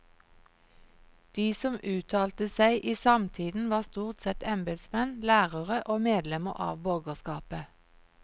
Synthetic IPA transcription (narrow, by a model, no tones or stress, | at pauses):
d̪̥iːsɔmʔʉːt̪ʰɑːlt̪əsæɪʔiːsɑmt̪ʰiːd̪n̩ʋɑːʁst̪uːʁt̪sɛt̪ɛmbɛd̪smɛnlæːʁəʁəʔoːmeːd̪lɛməʁɑ̰ːʋbɔɡəʁskɑːpə